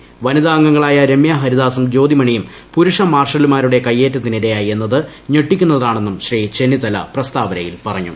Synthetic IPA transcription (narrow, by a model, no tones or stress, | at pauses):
ʋɐniðaːŋɡɐŋːɐɭaːjɐɾe̞mjaɦɐɾiðaːsɐmd͡ʑo̞ːd̪imɐɳijum | puɾuʂɐmaːrʂɐlumaːɾuɽe̞kɐjːe̞ːtːɐt̪ːiniɾejaːjie̞nːɐðɨ | ɲeʈːikʲːun̪ːɐððaːɳe̞nːumɕriːt͡ɕe̞nit̪ɐlɐ̰prɐst̪aːʋɐnɐjilpɐrɐɲːṵ